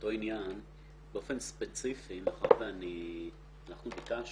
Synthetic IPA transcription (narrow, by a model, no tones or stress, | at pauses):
oto̞injan | beofenspet͡sifimaχa̰veani | anaχnubikaʃ